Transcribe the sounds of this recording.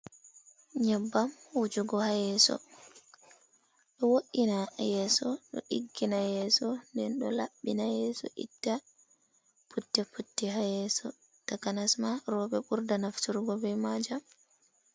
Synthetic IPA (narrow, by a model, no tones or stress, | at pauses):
ɲɛbːamwud͡ʒuɡɔhajɛsɔ̰ | ɗɔwoʔinajɛːsɔɗɔ̰ʔiɡːinajɛːsɔndɛnɗɔ̰laɓːinajɛːsɔ̰ʔḭtːa | putːɛputːiɦajɛsɔ | takanasmaɾɔɓɛɓuɾdanaftuɾɡɔbɛmad͡ʒa